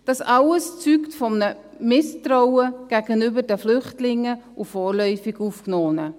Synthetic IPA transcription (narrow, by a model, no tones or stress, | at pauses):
d̥ɑsɑləst͡syktfɔmnə | mɪstɾɔwəɡ̥æɡənybəɾdəflʏχtlɪŋːəʔufɔːrlœʏfɪɡufknɔːnə